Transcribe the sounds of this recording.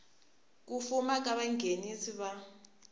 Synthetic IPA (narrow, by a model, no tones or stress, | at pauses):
k̬ufumak̬aɓaŋʱenisiɓa